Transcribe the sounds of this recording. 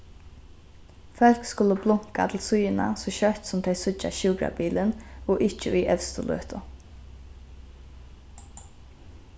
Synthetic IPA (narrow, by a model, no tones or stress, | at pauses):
fœl̥kskʊləblʊŋ̥ka̰t̪ʰɪlsʊjɪna̰sɔʃœht̪sʊmt̪ʰɛjsʊa̰ʃɪːkɾa̰biːlɪnɔʔɪht͡ʃəʊjʔɛfst̪ʊlø̰ːt̪ʊ